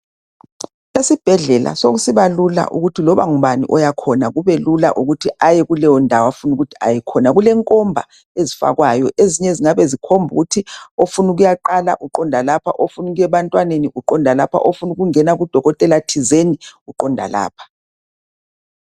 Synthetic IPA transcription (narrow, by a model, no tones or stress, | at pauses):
esib̥ʱɛɮɛla̰soɣusiβalula̰ʔṵɣutʰilɔβaŋuβanḭʔɔjakʰɔnaɣuβɛlula̰ʔuɣutʰiʔajɛɣulɛjɔndʱawafunuɣutʰi̥a̰jɛkʰɔnaɣulɛŋkʼɔmbʱa̰ | ezifa̰ɣwajɔʔeziɲɛeziŋaβɛzikʰombʱṵɣutʰiofunuɣujaǃala̰ʔuǃɔndʱalapʰaʔofunuɣujɛβantʼwaneniʔuǃɔndʱalapʰa̰ʔofunuɣuŋɛnaɣud̥ʱɔɣɔtʼɛlatʰizeniɣuǃɔndʱa̰la̰ːpʰḁ